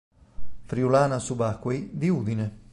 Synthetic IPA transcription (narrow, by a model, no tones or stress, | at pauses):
fɾiulaːnasubakːwejd̪iuːd̪ine